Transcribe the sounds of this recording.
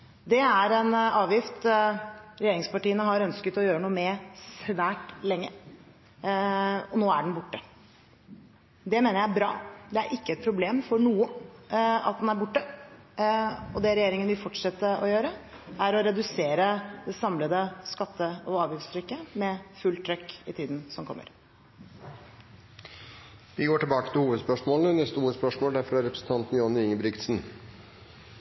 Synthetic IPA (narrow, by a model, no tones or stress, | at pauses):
d̪ɛæɾɛnɑːʋjɪft̪ | ɾɛjeːɾɪŋspɑʈiːənəɦɑɾœnskət̪ɔjøːɾənuːəmɛsʋæːʈlɛŋːə̰ | ɔnoːæ̰ɖɛnbʊʈːə | d̪ɛmeːnəjæbɾɑ̰ːd̪ɛæɾʔɪkːəɛt̪̚pʰɾʊbleːmfɔɾɳuːəɑ̰t̪̚d̪ɛnæɾbʊʈːə | ɔd̪ɛɾɛjeːɾɪŋənʋɪlfɔʈʂɛt̪ːəʔɔjøːɾəæɾɔɾɛd̪ʉseːɾəd̪ɛsɑmləd̪əskɑt̪ːəɔɑːʋjʉfst̪ʰɾʏkːəmɛfʉlt̪ʰɾœkːɪt̪ʰiːd̪nsɔmkʰɔ̰mːə̰ɾ | ʋɪɡoːʈɪlbɑːkət̪ʰɪlhuːʋəd̪spœʂmoːlnənɛst̪uːəd̪spœʂmoːlæɾfɔɾæɾɛpɾəsn̩t̪ɑnt̪n̩jɔnʏŋəbɾɪkt̪sn̩